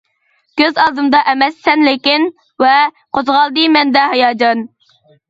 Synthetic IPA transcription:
kʲøzɑlˠd̪ɨmd̪ɑʔɛmɛsːɛnlekʲin | vɛ | qʰozʁɑlˠd̪ɨmɛnd̪ɛɦɑjɑːd͡ʒɑn

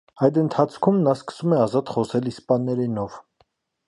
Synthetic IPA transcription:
ɑjd̪ənt̪ʰɑt͡sʰkʰumnɑskə̥sumɛɑzɑt̪χɔsɛlispɑnːɛɾinɔv

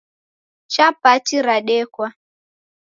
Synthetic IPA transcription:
t͡ʃapat͡ʃiɾaɗɛkwa

